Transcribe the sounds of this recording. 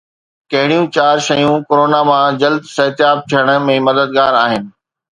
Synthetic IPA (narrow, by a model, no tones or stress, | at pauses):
kɐɦɪɽ̃ijũt͡ɕaːɾʃɐjũkoɾoːnamãd͡ʑɐld̪sɐɦt̪jaːb̚t̪ʰijəɽ̃ə̆mẽmɐd̪əd̪̚ɡaːɾaːɦɪnɪ̆